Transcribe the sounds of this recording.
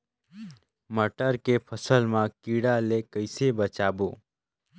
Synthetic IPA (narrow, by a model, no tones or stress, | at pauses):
məʈəɾkepʰəsəlmãkiɽalekəɪsebət͡ʃaboː